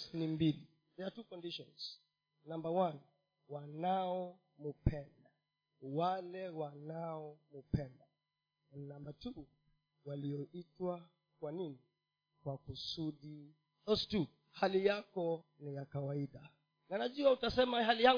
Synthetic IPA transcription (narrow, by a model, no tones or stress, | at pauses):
nimbili | jatukɔndiʃɔ̃nz̥ | nãmbawan | wanaɔ | mupʰɛnda | walɛwanaɔmupɛnda | nambatu | waliɔʔitwa | kwanini | kwakusuɗi | ɔstu | halijakɔ | nijakawaiɗa | nanaʄuautasɛmahalija